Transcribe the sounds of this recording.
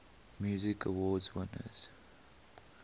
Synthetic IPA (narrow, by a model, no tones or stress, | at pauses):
mjuːzɪkʰəwɔːdzwɪnə̰z̥